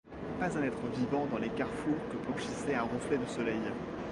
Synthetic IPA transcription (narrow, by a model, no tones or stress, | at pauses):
pazɛ̃nɛt̪χəvivɑ̃d̪ɑ̃lekaʁfuʁkəblɑ̃ʃisɛɛ̃ʁəflɛd̪əsɔlɛj